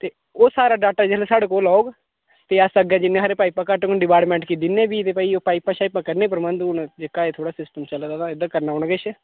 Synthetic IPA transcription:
t̪eː | oːsaːɾaːɖaːk̚ʈəɾd͡ʒeːlesaːɽekoːlaːoːɡ | t̪eːəsəɡɛ̃ːd͡ʒɪnːẽːɦaːɾeːpaːiːpakaʈoknɖɪpaːʈmɛ̃ːɳʈkid̪inẽːbiːt̪eːpəiːoːpaːiːpaːʃaːɪpːãːkəɾnẽːp̬əɾmə̃nd̪und͡ʒɪkaːeːt̪ʰoːɽaːsɪsʈəmt͡ʃəlːd̪aːt̪ãɪd̪əkəɾnaːʊɳ̃ɡet͡ʃʰ

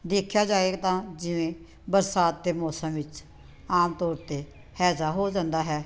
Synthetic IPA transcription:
d̪eːkʰjaːd͡ʒaːeːɡ̚t̪ãːd͡ʒɪʋẽː | bəɾsaːt̪̚d̪eːmɔːsəmʋɪt͡ʃ | aːmt̪ɔːɾt̪eː | hɛːsaːɦoːd͡ʒãːnd̪aːɦɛː

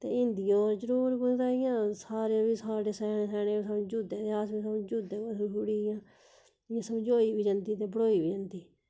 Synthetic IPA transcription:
t̪ḛːɪnd̪ijoːɾd͡ʒəɾuːɾkʊtaːɪjãːsaːɾeːbiːsaːɽeːsɛːnẽːsɛːɽẽːisəd͡ʒuːd̪ẽːt̪eaːsbiːsəmd͡ʒuːd̪ẽːkossuɽiːjãː | ãːsəmd͡ʒoːiːbʱiːd͡ʒənd̪iːt̪eːbəɽoːiːbiːd͡ʒənd̪iː

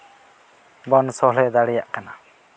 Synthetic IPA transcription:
bɔnsɔlɛd̪aɽɛjaʔkana

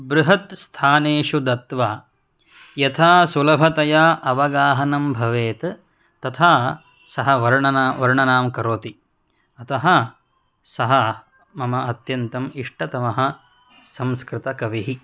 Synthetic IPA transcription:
bɾuɦɐt̪st̪ʰaːneːʂud̪ɐt̪ʋaː | jɐt̪ʰaːsulɐbʱɐt̪ɐjaːʔɐʋɐɡaːɦɐnɐmbʱɐʋeːt̪ | t̪ɐt̪ʰaː | sɐɦɐʋɐɾɳɐnaːʋɐɾɳɐnaːmkɐɾoːt̪i | ɐt̪ɐɦɐ̆ | sɐɦɐ | mɐmɐɐt̪jɐnt̪ɐmiʂʈʰɐt̪ɐmɐɦɐ̆ | sɐ̃mskɾɪt̪ɐkɐʋiɦi

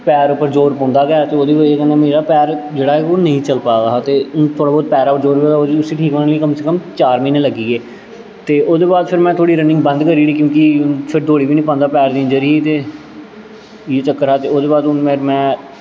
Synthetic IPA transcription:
pɛːɾʊpːəɾd͡ʒoːɾpɔ̃ːnd̪aːɡɛːt̪eːoːd̪eːbaeːkɛnɛːmeːɾaːpɛːɾd͡ʒeːɽaːɦɛːoːnəɦĩːt͡ʃəlpaːɡaat̪eːʊt̪ʰoːɽaːbɔːd̪̚pɛːɾaːpəɾd͡ʒoːɾeːɡoʊsiːʈʰiːkəːliːkəmseːkəmt͡ʃaːɾmĩːneːləɡiːɡeː | t̪eːʔoːd̪eːbaːd̪pʰɪɾmɛ̃ːt̪ʰoːɽiːɾənɪ̃ŋɡbə̃nd̪kəɾiːɡiːkjõːkipʰɪɾd̪ʱoːɽiːʋiːnĩːpãːnd̪aːpɛːɾd̪ĩːd͡ʒəɾiːt̪eː | jeːt͡ʃəkːəɾaːt̪eːoːd̪eːbaːd̪ʊnmeɾmɛ̃ː

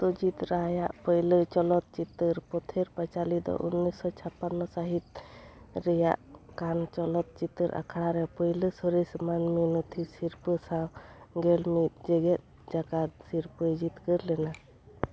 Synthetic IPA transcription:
t̪od͡ʒit̪ɾaɦajaʔpəjlət͡ʃɔlɔt̪̚t͡ʃit̪ːəɾpɔt̪ʰeɾpat͡ʃalid̪ɔ̰ʔunːisːɔt͡ʃʰapːanːɔsaɦit̪̚ | ɾɛja̰ʔkant͡ʃɔlɔt̪̚t͡ʃit̪ːəɾʔa̰kʰaɽaɾɛpəjləsɔɾismanminɔt̪ʰisiɾpəsawɡɛlmit̪̚d͡ʒeɡɛt̪̚ | d͡ʒakat̪̚siɾpəd͡ʒit̪kəɾlɛna

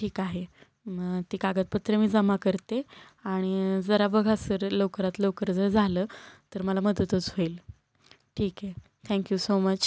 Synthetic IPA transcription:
ʈʰiːkaɦe | t̪iːkaɡət̪̚pət̪ɾəmiːd͡zəmakəɾt̪e | aɽ̃id͡zəɾabəɡʱasəɾlokɾat̪lokəɾd͡zəɾd͡zʱaləːt̪əɾməlaməd̪ət̪ət͡sɦoiːl | ʈʰiːke | t̪ʰɛ̃ŋkjuːsomət͡ɕ

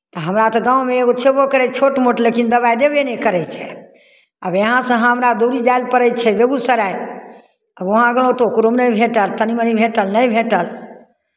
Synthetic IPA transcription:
t̪ɔɦəmɾat̪ɔɡãũmeeɡot͡ʃʰebokəɾɛt͡ʃʰoʈmoʈlekind̪əbajd̪ebenekəɾɛt͡ʃʰɛ | əbjeɦãsə̃ɦə̃ɦəmɾad̪oɾid͡ʒajlpəɾɛjt͡ʃʰɛbeɡusəɾaj | əboɦãɡəl̃õt̪ookɾumnəjbʱeʈəlt̪ənimənibʱeʈəlnəjbʱeʈəl

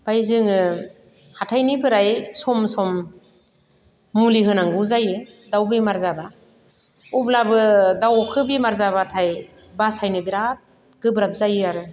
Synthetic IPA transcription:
b̥ajzɯŋɯ | hatʰajnipʰɯɾajsɔmsɔm | uliɦɯnaŋɡɯzajɯ | dawbimaɾzaba | ublabɯdawkʰɯbimaɾzaβatʰaj | basajnɯbiɾat̚ | ɡ̥ɯbɾap̚zajɯaɾɯ

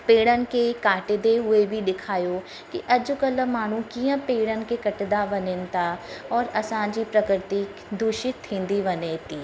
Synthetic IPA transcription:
peːɽənkekaːʈed̪eɦʊebʱid̪ɪkʰaːjoː | kḭʔɐd͡ʒʊkələmaːɽ̤̃ũkijə̃peːɽənkekɐʈd̪aʋɐnent̪aɔːɾɐsãːd͡ʒipɾɐkɾɪt̪i | d̪ʱuʃɪt̪hɪ̃nd̪iʋɐneːt̪iː

